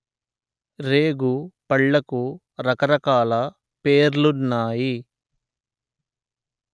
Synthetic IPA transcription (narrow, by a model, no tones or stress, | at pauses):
ɾeːɡupɐɭːɐku | ɾɐkɐɾɐkaːlɐ | peːɾlunːaːji